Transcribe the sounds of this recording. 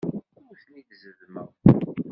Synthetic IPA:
θniðzəðmə̰

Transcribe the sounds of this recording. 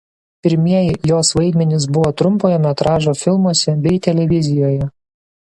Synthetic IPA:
pʲɪɾʲmʲiɛjɪjoːsʋɐɪd̪ʲmʲɛnʲɪs̬bʊʋoːt̪ɾʊmpoːjɛmʲɛt̪ɾɑːʒoːfʲɪlˠmuɔsʲɛbʲɛɪt̪ʲɛlʲɛʋʲɪzʲɪjoːjɛ

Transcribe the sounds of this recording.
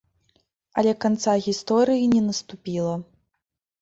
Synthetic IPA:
ɐ̰lʲɛkant̪saɣʲist̪ɔɾɨjinʲɛnɐst̪upʲilˠɐ

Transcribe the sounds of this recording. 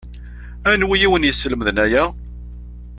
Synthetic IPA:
ænwijiwənjəsːləmðnæjæ

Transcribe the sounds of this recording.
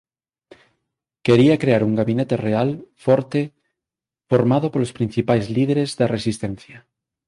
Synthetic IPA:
keɾiakɾeaɾuŋɡaβinet̪erealfoɾt̪e | foɾmað̞opolospɾin̟θipajzlið̞eɾezðaresist̪ẽn̟θja

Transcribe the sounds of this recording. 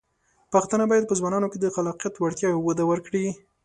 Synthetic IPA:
paxt̪ənabɑjad̪̚pəzwɑnɑnoked̪əxalɑqijat̪waɽt̪jɑwəd̪awəɾkɽi

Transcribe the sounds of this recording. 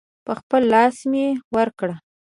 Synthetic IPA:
pəxpəlːɑsmjewəɾkɽa

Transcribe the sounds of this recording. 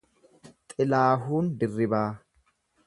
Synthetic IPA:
t̪ʼɪlaːɦuːnd̪ɪrːɪbaː

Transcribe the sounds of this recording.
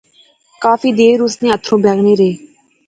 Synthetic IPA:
kaːfiːd̪eːɾʊsneːət̪ʰːɾõːbɛːɡɽeːɾeː

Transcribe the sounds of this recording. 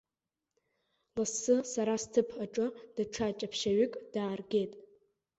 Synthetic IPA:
lasːɨsaɾastʰɨpʰaʈ͡ʂʼɨd̥aʈ͡ʂʰat͡ʃʼapʰʃaɥʏkʼd̥aːrɡʲe̞jtʼ

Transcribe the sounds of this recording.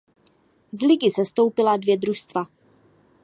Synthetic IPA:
zliɡisɛst̪owpilad̪vjɛd̪ɾuʃst̪va

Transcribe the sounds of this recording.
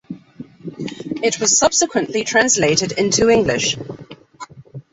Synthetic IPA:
ɪʔwɒz̥sʌb̥sɪkʰwə̃nʔlitʰɹ̥ãnsleɪtɪdɪ̃ntʰuɪ̃ŋɡlɪ̰ʃ

